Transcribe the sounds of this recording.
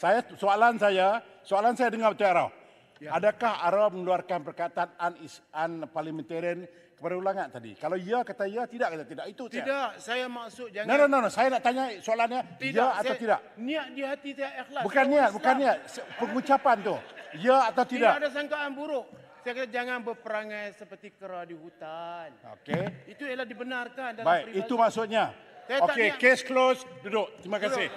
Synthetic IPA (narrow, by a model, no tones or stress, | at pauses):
sajasoalansaja | soalansajadəŋabət̪uaɾa | adakahaɾawməŋəluarkanpərkat̪ananisanparləmɛnt̪ɛɾən | kpaɾulaŋaʔt̪ːadḭkalawiakat̪aiat̪idaʔkat̪at̪idaʔit̪usaidaʔsajamaʔsʊt̪̚d͡ʒaŋnanononasajanaʔt̪aɲasoalanɲaiaat̪awt̪ida̰ʔ̚niaʔdiɦat̪isajaʔihlabukanːiat̪̚bukanːiat̪̚spəŋut͡ʃapant̪ʊhiaːt̪awt̪idaʔdas̬aŋkaːnbuɾʊʔsajakat̪ad͡ʒaŋanbəpəɾaŋajsəpərt̪ikəɾadihut̪ano̰keit̪ujalahdibənarkandabaiɾiiumaʔsʊt̪̚ɲasajaokekesklosdudʊʔt̪ɾimakasɪh